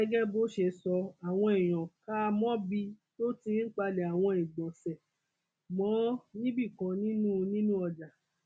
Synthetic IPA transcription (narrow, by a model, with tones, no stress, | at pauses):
ɛ˦ɡɛ˦bo˦ʃe˧sɔ˧a˨w̃ɔ̃˧i˨j̃ɔ̃˨ka˦˧mɔ̃˦bi˧to˦ti˧˦k͡pa˧le˨a˨w̃ɔ̃˧ĩ˨ɡ͡bɔ̃˨sɛ˨ | mɔ̃˨˦nĩ˦bi˦˨kɔ̃˨˧˦nĩ˦nũ˦nĩ˦nũ˦ɔ˧˨d͡ʒa˨